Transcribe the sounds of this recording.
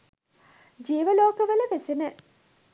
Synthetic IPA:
d͡ʒiːʋəloːkəʋələʋesenə

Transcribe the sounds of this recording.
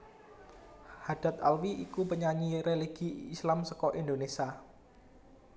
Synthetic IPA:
had̥a̤t̪̚alwiʔikupəɲaɲiɾeliɡ̥iːslamsɔkɔʔind̪onesa

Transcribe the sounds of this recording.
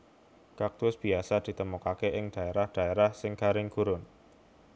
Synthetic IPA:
kak̚t̪ʊsb̥i̤asad̪̥i̤t̪əmukakeʔɪŋd̥a̤eɾahd̪̥a̤eɾahsɪŋkaɾɪŋɡ̥uɾʊn

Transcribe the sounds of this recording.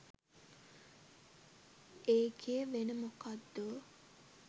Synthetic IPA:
eːkʰejəʋenəmukad̪ːu

